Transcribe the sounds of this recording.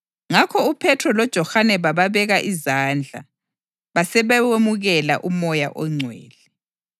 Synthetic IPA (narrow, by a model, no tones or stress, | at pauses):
ŋakʰɔupʰɛtʰɔlɔd̥ʒ̥ʱɔxanɛβaβaβɛɣaʔizaːnd͡ɮʱa̰ | βasɛβɛemuɣɛla̰ʔumɔja̰ʔɔŋ͡ǀʱweːlɛ